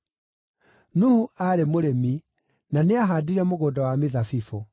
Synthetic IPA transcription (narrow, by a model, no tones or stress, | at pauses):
nuhuaɾemoɾemi | naneaɦaːdiɾɛmoɣoːdɔwameðafifo